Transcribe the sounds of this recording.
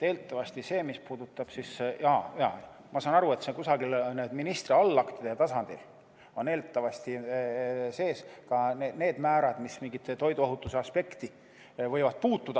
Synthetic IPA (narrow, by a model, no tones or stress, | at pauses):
e̞ːlt̪ːˑɑvɑst̪ise̞ːmispuːd̪ut̪ːˑɑb̥sisjɑjɑ̰ | mɑsɑːnɑɾue̞t̪sekusɑɡilneːd̪̥minist̪riɑlːɑkt̪id̪̥et̪ɑsɑnd̪̥ḭl | o̞ne̞ːlt̪ːˑɑvɑst̪i | se̞ːskɑnene̞ːd̪̥mæːɾɑd̪̥mismiŋɡit̪ːt̪o̞jd̪uoɦut̪ːˑuse̞ɑspe̞kt̪i | vɤjvɑd̪̥̚puːt̪ːˑud̪̥ɑ